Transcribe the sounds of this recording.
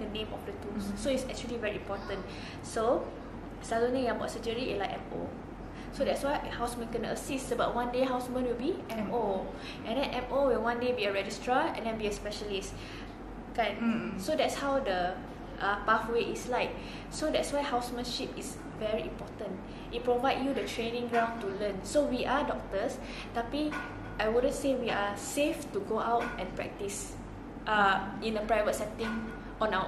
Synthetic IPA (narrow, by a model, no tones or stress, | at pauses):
dənẽmɔfdətussoitsɛk̚t͡ʃuəlivɛɹiĩmpɔtə̃n | so | sazõnĩjãbɔ̰tsəd͡ʒəɹiḭlakɛ̃mo̰ | sodɛtswajhawsmə̃nkɛ̃nə̰sisoba̰ʔ̚wãndeɦawsmə̃nwilbiɛ̃mo | ʔɛ̃ndɛ̃nʔɛ̃mowilwãndebiəɹɛd͡ʒistɹəɛ̰̃ndɛ̃nbiəspɛʃəlis | kãnsodɛtshawdə | ʔapafweʔislaɪk̚ | sodɛtswaɪhaʊsmə̃nʃipis | vɛɹiʔĩmpɔtə̃n | ʔit̚pɹovaɪdjudətʰɹẽnĩŋɡɹãʊ̃ntulə̃nsowiʔadɔk̚təs | tapi | ʔajwudə̃nsewiaseftuɡoʔaʊtɛ̃npɹɛ̰k̚tis | ʔaĩnəpɹajvət̚sɛ̃ntĩŋ | ɔ̃nawə